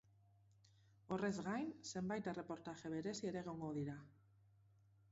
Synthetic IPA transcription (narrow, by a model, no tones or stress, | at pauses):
o̞re̞zɣajnse̞mbajt̪ere̞po̞ɾt̪aʝe̞β̞e̞ɾe̞sie̞ɾe̞ːɣ̞o̞ŋɡo̞ðiɾa